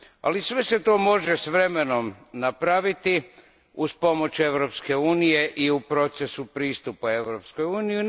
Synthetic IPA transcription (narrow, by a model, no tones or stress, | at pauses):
a̰lisʋe̞se̞t̪o̞ːmo̞ʒesʋɾe̞me̞no̞mnapɾaʋit̪i | uspo̞mo̞t͡ɕe̞ʋɾo̞pske̞uːnije̞ʔiupɾo̞t̪se̞supɾiːst̪upae̞ʋɾo̞psko̞juːniji